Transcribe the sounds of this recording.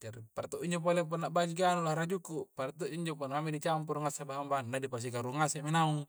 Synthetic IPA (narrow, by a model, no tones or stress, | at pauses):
d͡ʒaɾipaɾat̪uʔiɲd͡ʒop̬olep̬ɔnːaʔbad͡ʒikanulaɾad͡ʒukupaɾat̪ːuʔiɲd͡ʒoponamidit͡ʃampuɾuŋasabaɦambanːadipas̬ikaɾuŋaseʔminau